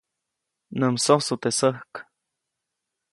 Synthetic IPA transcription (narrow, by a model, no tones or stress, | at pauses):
nəmsosut̪esəhk